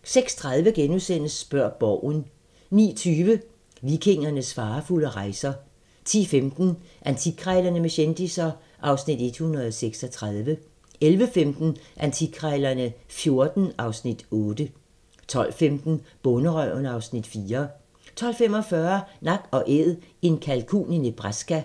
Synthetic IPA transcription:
seɡ̥st͡sʰʁaðˠʋəɡ̥enusen̰əsb̥ɶɐ̰b̥ɒʊ̰n | nḭːt͡sʰyːʋə | ʋikʰe̝ŋ̰ɐnəsfɑ̈ːfuləʁɑ̈ɪsɐ | t͡sʰḭːfemd̥n̩ʔænt͡sʰiɡ̥ʰʁaɪlɐnəmeɕend̥isɐ | ʔɑ̈ʊsnid̥e̝d̥hunɐð̞ˠɒseɡ̥sɒt͡sʰʁɑðˠʋə | elʋəfemd̥n̩ʔænt͡sʰiɡ̥ʰʁaɪlɐnəfjo̝ɐd̥n̩ɑ̈ʊsnid̥ɔ̽ːd̥ə | t͡sʰɒ̽l̰femd̥n̩b̥ɔnəʁœʊ̰nɑ̈ʊsnid̥fiːɐ | t͡sʰɒ̽l̰fem̰ɒ̽fɶɐnɑ̈ɡ̥ɒ̽ʔeðˠe̝nkʰælkʰṵːninəb̥ʁasɡ̥æ

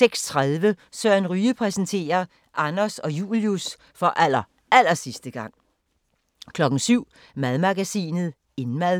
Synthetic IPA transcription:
seɡ̥st͡sʰʁaðˠʋəsɶɐ̰nʁyːəpʰʁɛsn̩t͡sʰe̝̰ːɐ | ʔɑnɐsɒ̽jṵːljus | fɒ̽ʔæl̰ɐ | æl̰ɐsisd̥əɡ̥ɑ̈ŋ̰ | kʰlɒ̽ɡ̥n̩syʊ̰ | mæðˠmɑ̈ɡ̥æsḭːnð̩ˠ | e̝nmæðˠ

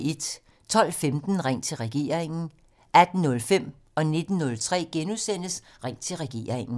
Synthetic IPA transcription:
e̝d̥ | t͡sʰɒ̽l̰femd̥n̩ʁaŋ̰t͡sʰe̝lʁɛɡ̥e̝̰ːɐʁeŋn̩ | ʔæd̥n̩ːɔ̽lfem̰ | ɒ̽ne̝d̥n̩ːɔ̽lt͡sʰʁɛ̰ːɡ̥enusen̰əsʁaŋ̰t͡sʰe̝lʁɛɡ̥e̝̰ːɐʁeŋn̩

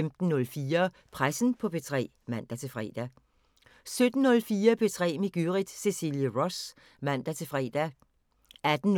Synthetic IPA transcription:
emd̥n̩ːɔ̽lfiːɐ | pʰʁasn̩pʰɒ̽pʰe̝t͡sʰʁɛ̰ː | mæn̰d̥æt͡sʰe̝fʁɛ̰ːd̥æ | sød̥n̩ːɔ̽lfiːɐpʰe̝t͡sʰʁɛ̰ːmeɡ̥yʁid̥se̝sḭljəʁɔs | mæn̰d̥æt͡sʰe̝fʁɛd̥æ | æd̥n̩

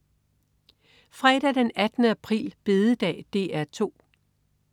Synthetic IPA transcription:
fʁɛːɾ̥æd̥enæd̥nəæpʰʁḭːlb̥e̝ðˠəd̥ɛ̰ːd̥e̝̰ːæɐt͡sʰo̝̰ː

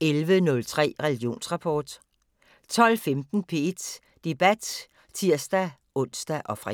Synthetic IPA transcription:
elʋənɔ̽lt͡sʰʁɛ̰ːʁɛlɡ̥jo̝̰ːnsʁɑ̈pʰɒːd̥ | t͡sʰɒ̽l̰femd̥n̩pʰe̝ed̥ | d̥e̝b̥æd̥ | t͡sʰiɐ̰sd̥æ | ʔɔ̽n̰sd̥æʔɒ̽fʁa

